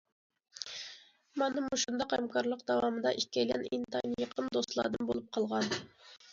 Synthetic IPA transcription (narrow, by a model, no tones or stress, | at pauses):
mɑnɨmuʃund̪ɑqhɑmkʰɑɾlˠəq̚d̪ɑwɑmɨd̪ɑʔikʲɛjlʲɛ̰nint̪ɑnjeqʰənd̪ost̪lˠɑ̰ːd̪ɨnbolˠup̚qʰɑlˠʁɑn